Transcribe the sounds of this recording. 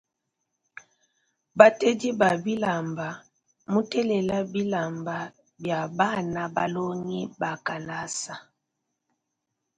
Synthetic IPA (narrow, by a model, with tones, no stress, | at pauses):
ba˦tɛ˦di˦ba˨bi˦la˨mba˨ | mu˦tɛ˦lɛ˨la˦bi˦la˨mba˨ | bja˨ba˦na˦ba̰˦lo˦ŋi˦ba˨ka˨la˦sa˨